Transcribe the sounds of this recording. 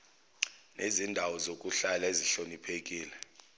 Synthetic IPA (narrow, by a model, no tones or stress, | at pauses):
nezindʱawɔzokʼuɬalaeziɬonipʰek̬ʼiːlɛ